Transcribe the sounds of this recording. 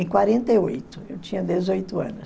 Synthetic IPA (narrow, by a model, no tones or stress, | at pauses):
ẽj̃kwaɾẽnt̪ejojt̪ʊewt͡ʃĩɲɐd̪ezojt̪ʊɐ̰̃nʊs